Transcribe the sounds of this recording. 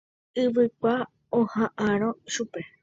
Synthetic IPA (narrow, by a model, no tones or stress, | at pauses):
ɨʋɨkʷa | õhãʔãɾ̃õʃupe